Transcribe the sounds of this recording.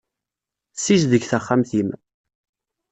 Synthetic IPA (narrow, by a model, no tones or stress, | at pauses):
siʒðəɡθæχːamθim